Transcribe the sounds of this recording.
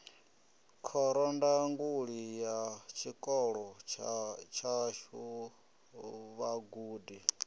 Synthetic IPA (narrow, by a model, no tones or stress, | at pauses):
kʰɔɾɔndaŋɡuɺijat͡ʃʰikʼɔɺɔ | t͡ʃʰaʃu | βaɡuːdi